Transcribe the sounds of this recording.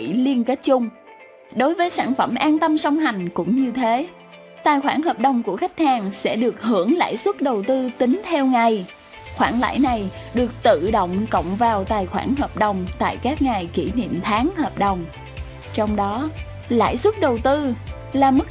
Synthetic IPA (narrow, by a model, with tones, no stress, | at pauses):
ḭ˧˩li˧ənke˦˥t̚t͡ɕʊ˧ŋ͡m | ɗo˨˦jvəː˨˦jsaː˧˩nfə˧˩mʔaː˧nt̪ə˧msɔ˧wŋ͡mɦa˨˩jŋ̟kʊ̰˧˥ŋ͡mɲɨ˧t̪ʰe˨˦ | t̪aː˨˩jxwaː˧˩nhəː˨˩p̚ɗə˨˩wŋ͡mku˧˩əxa˦˥jk̟̚haː˨˩ŋsɛ̰˧˥ɗɨ˨˩ək̚hɨ˧˩əŋla̰ː˧˥jswə˦˥t̚ɗə˨˩wt̪ɨ˧t̪ï˨˦ŋt̪ʰɛ˧wŋa˨˩j | xwaː˧˩nla̰ː˧˥jna˨˩jɗɨ˨˩ək̚t̪ɨ̰˧˨ɗo̰˧˨wŋ͡mkə̰˧˨wŋ͡mvaː˨˩wt̪aː˨˩jxwaː˧˩nɦəː˨˩p̚ɗə˨˩wŋ͡mt̪a̰ː˧˨jkaː˦˥k̚ŋa˨˩jki˧˩nḭ˧˨mt̪ʰaː˨˦ŋhəː˨˩p̚ɗə˨˩wŋ͡m | t͡ɕɔ˧wŋ͡mɗɔ˨˦ | la̰ː˧˥˩jswə˦˥t̚ɗə˨˩wt̪ɨ˧ | laː˨˩mə˦˥